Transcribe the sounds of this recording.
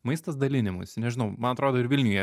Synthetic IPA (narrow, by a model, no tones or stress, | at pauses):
mɐɪst̪ɐsd̪ɐlʲɪnʲɪmʊ̰sʲnʲɛʒʲɪnɐʊmɐnɐt̪ɾoːd̪oːɪɾʋʲɪlʲnʲʊjɛ